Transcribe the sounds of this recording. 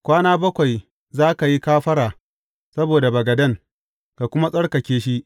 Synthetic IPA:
kʷaː˦naː˦bɐ˦kʷa˨j | zaː˦ka˨ji˦kaː˦ɸɐ˦ɽaː˨ | sɐ˦boː˨da˨bɐ˨ɡɐ˨dɐ˦ŋ | ka˨kʷʊ˦ma˦sʼɐ˦ɽkɐ˨kʲeː˦ʃi˦ʔ

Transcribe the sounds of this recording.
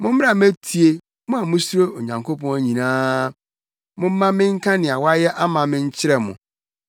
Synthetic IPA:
mʊ̃˦m̩˦m˦a˨m˦æ˦tʰi˨e˦ | mʊ̃˦a˨mʊ̃˦su˦ɾo˦o˨ɲã˨ŋkʰo˦pʰɔ̃˦æ˦ɲĩ˨nãː˦ | mʊ̃˦m̩˦mã˦mɪ̃˦ŋ̩˦kʰã˦nɪ̃˨a˨wa˦jɛ˦ʔa˦mã˨mɪ̃˦ɲ̩˦t͡ɕʰɪ˦ɾɛ˨mʊ̰̃˨

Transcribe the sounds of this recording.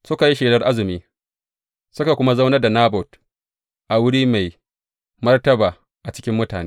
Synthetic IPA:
sʊ˦ka˨ji˦ʃeː˨lɐ˦rʔa˦zɪ˨miː˦ | sʊ˦ka˨kʷʊ˦ma˦za˦wnɐ˦da˨naː˦bɔ˨t | ʔa˨wʊ˦ɽiː˦ma˨j | mɐ˦rtɐ˦baː˨ | ʔa˨t͡ʃɪ̥˦kʲɪ˦mːʊ˦taː˨neː˦

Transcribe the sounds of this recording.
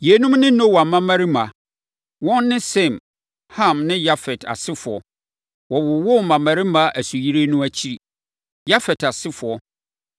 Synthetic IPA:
je˨˦nũ˦mnɪ̃˦nõ˦wa˨mã˦ma˦ɾi˦mã˨ | wɔ̃˦nnɪ̃˦sɛ̃˦˨m | hã˦˨mnɪ̃˦ja˦fɛ˨tʰa̰˨sɪ˦fʊ˨ɔ̰˨ | wɔ˨wʊ˨wʊ˦mã˨mã˨ɾi˦mã˦ʔæ˨su˨ji˦ɾe˦nũ˦æ˦t͡ɕʰi˦ɾi˨ | ja˦fɛ˨tʰa˨sɪ˦fʊ˨ɔ˦

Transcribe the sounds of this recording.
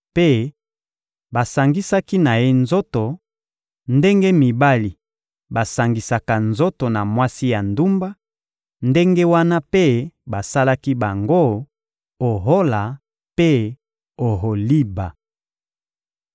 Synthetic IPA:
pe˦ | ba˨sa˨ŋɡi˦sa˦ki˦na˨je˦nzo˦to˨ | nde˦ŋɡe˦mi˨ba˦li˨ | ba˨sa˨ŋɡi˨sa˨ka˨nzo˦to˨na˨mwa˦si˦ja˨ndu˦mba˦ | nde˦ŋɡe˦wa˦na˦pe˦ba˨sa˦la˦ki˦ba˨ŋɡo˦ | o˨ɦo˦la˨ | pe˦ | o˨ɦo˨li˦ba˨

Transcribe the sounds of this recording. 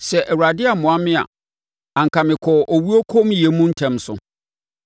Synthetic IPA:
sɛ˨ʔɛ˨wu˨ɾa˨dɪ˦a˨mʊ̃˨a˦mɪ̃˦a̰˨ | ã˨ŋ̩˨kʰa˨mɪ̃˨kʰɔ˨ʔo˨wi˦o˦kʰo˦mjɛ˨mũ˦n̩˦tʰɛ̃˨msʊ̰˨

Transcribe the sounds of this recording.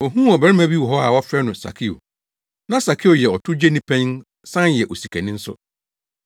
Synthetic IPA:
o˨ɦũ˦ɔ˨bæ˨ɾɪ˦mã˦bi˦wɔ˨ɦɔ˦a˨wɔ˦fɾɛ˦nʊ̃˨sa̰˨kʰi˦o̰˨ | nã˦sa˨kʰi˦o˨jɛ˨ɔ˨tʰʊ˦d͡ʑe˦nĩ˦pʰɛ̃˦n | sã˦njɛ˨ʔo˨si˨kʰæ˨nɪ̃˦n̩˦sʊ̰˦

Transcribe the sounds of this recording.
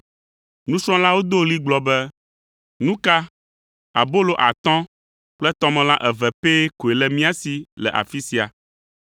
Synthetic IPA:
nũ˦sɾ̃ɔ̃˦la˦wo˦d̪o˦li˦ɡ͡blɔ˨bɛ˦ | nũ˦ka˦ | a̰˨bo˦lo˨ʔa̰˨t̪ɔ̃˦ | k͡plɛ˦t̪ɔ̃˦mɛ̃˨la˦ʔɛ˨vɛ˨pe˦ko˨e˨lɛ˨mĩ˦a˦si˨lɛ̰˨ʔa̰˨fi˦si˨a̰˨

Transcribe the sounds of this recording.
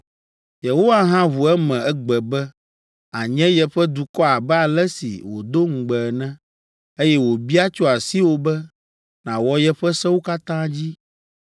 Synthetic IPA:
je˨ɦo˦wa˦ɦã˦βu˨ɛ˦mɛ̃˨ɛ˦ɡ͡bɛ˨bɛ˦ | a˨ɲɛ̃˦jɛ˦ɸɛ˦d̪u˨kɔ˦a˨bɛ˦a˨lɛ˦sḭ˨wo̰˨d̪o˦ŋ̩˨ɡ͡bɛ˨nɛ̃˦ | e˦jɛ˦wo˨bi˦a˦t͡ʃo˦a˨si˦wo˨bɛ˦ | nã˨wɔ˦jɛ˦ɸɛ˦sɛ̃˦wo˦ka˦t̪ã˦d͡ʑi˦

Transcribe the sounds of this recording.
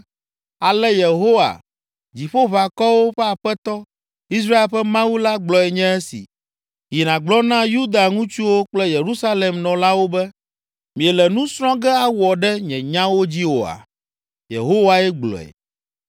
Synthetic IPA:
a˨lɛ˦je˨ɦo˦wa̰˨ | d͡ʑi˨ɸo˦βa˨kɔ˦wo˦ɸɛ˦a˨ɸɛ˦t̪ɔ˦ | i˦s̬ɾa˦e˨lɸɛ˦mã˦wu˦la˦ɡ͡blɔ˨ɛ˨ɲɛ̃˦ɛ˦sḭ˨ | ji˨nã˨ɡ͡blɔ˦nã˦ju˦d̪a˨ŋũ˦t͡ʃu˦wo˦k͡plɛ˦je˨ɾu˦sa˦le˨mnɔ̃˨la˦wo˦bɛ˦ | mĩ˨ɛ˨lɛ˨nũ˦sɾ̃ɔ̃˦ɡɛ˦a˦wɔ˨ɖɛ˦ɲɛ̃˨ɲã˦wo˦d͡ʑi˦wo̰˨a̰˨ | jḛ˨ɦo˦wa˨ɛ˦ɡ͡blɔ̰˨ɛ̰˨

